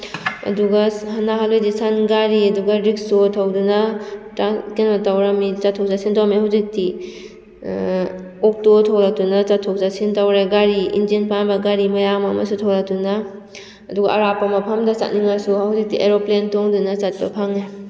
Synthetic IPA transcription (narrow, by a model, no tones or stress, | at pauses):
ɐ̰duɡɐhanaɦalojdisanɡaɾiɐduɡɐɾik̚sotʰawdunɐtakenmatawɾamit͡ʃatʰːow̚zasintawmehawzik̚ti | ok̚totʰawɾak̚tunɐt͡ʃatʰːowzasintawɾeɡaɾiḭnzinpanbɐɡaɾimɐjamamɐ̰sutʰawlak̚tuna | ɐduɡɐɐɾapɐmɐpʰɐmdɐsa̰t̚niŋaɾsuhawzik̚tiʔeɾoplentoŋdunɐt͡ʃat̚bɐ̰pʰaŋe